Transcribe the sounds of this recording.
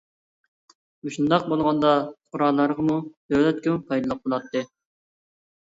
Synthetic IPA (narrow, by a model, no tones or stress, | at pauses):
muʃund̪ɑq̚bolˠʁɑnd̪ɑqʰʊɾɑlˠːɑɾʁɑmud̪̥øwlɛt̪kʲɪmupʰɑjd̪ɨlˠəq̚bolˠɑt̪ʰːɨ